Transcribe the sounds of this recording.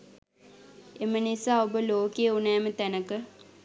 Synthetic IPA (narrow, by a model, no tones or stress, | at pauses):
emənisaːobəloːkejəunɛːmət̪ænəkə